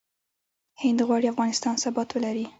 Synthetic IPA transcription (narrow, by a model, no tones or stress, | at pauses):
hɪnd̪ɣwɑɽiafɣɑnɪst̪ɑnsabɑt̪wəlaɾi